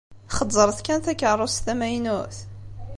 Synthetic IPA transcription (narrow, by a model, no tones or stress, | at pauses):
χədˤːəɾˤθkænθækːərˤost̪æmæjnuθ